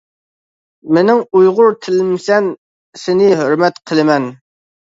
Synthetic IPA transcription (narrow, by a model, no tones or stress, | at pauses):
mɪnɪŋujʁʊɾt̪ʰɪlmsɛn | sɪnɪɦøɾmɛt̪qʰəlˠɨmɛn